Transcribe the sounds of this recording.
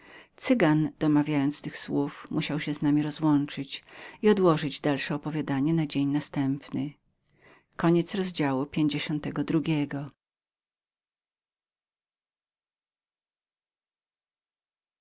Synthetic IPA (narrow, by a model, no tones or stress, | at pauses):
t̪sɘɡand̪̥ɔmavʲjajɔnt̪st̪ɘxswufmʔuɕawɕɛznamʲiɾɔzwɔnt͡ʂɘt͡ɕiɔd̪wɔʐɘd͡ʑd̪alʂɛɔpɔvʲjad̪aɲɛnad͡ʑeɲnast̪ɛmpnɘ | kɔɲɛt̪sɾɔzd͡ʑawupʲjeɲd͡ʑeɕɔnt̪ɛɡɔd̪ɾuɡʲɛɡɔ